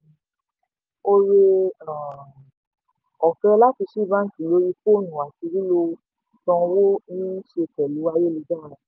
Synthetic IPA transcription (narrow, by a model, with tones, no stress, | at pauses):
o˧ɾe˧ã˨ | ɔ˨kɛ̃˧˦la˦ti˧ʃi˦˨bã˦˨ki˨lo˨˦ɾi˦fo˦nũ˨wa˨ti˧ɾi˦lo˧ | tɔ̃˧wo˦nĩ˦ʃe˧kɛ˨lu˨˦wa˧je˦˨li˨˧d͡ʒa˦˨ɾa˨